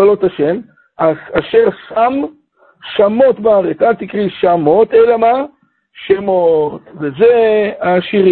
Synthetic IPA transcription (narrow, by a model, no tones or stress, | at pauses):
alot̪aʃem | aaʃe̞ʁsam | ʃamot̪baaʁet͡salt̪ikʁiʃamo̞t̪elama | ʃemot̪vezeaʃiʁi